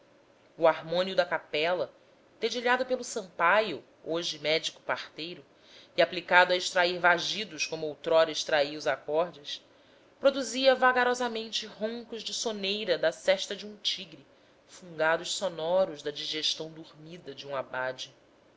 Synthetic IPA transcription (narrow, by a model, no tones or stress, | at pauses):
uaɦmõniud̪ɐkapɛlɐ | t̪ed͡ʒiʎad̪ʊpelʊsɐ̃mpaju | oʒɪmɛd͡ʒikʊ̥paχt̪ejɾʊ | iaplikad̪ʊɐɪʃt̪ɾaiɾvaʒid̪ʊʃkõmʊowt̪ɾɔɾɐiʃt̪ɾaiɐʊzakɔɾd͡ʒɪs | pɾod̪uziɐvaɡaɾɔzɐmẽnt͡ʃɪɦõŋkʊʒd͡ʒɪsonejɾɐd̪ɐsɛʃt̪ɐd͡ʒiũt͡ʃiɡɾi | fũŋɡad̪ʊʃsonɔɾʊʒd̪ɐd͡ʒiʒeʃt̪ɐ̃w̃d̪uɾmid̪ɐd͡ʒɪũabad͡ʒɪ